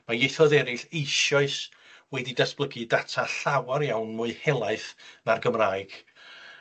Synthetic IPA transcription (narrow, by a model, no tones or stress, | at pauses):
majejθɔðɛɾɪɬejʃɔɨs | wɛdidasb̥lˠəɡidatʰaɬawaɾjawnmʊɨhɛlˠaɨθnarɡəmraːɨɡ̥